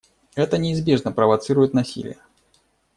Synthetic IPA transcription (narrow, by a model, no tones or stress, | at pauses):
ɛt̪ənʲɪːzbʲeʐnəpɾəvɐt̪sɨɾʊjɪt̪nɐsʲḭlʲɪ̰jə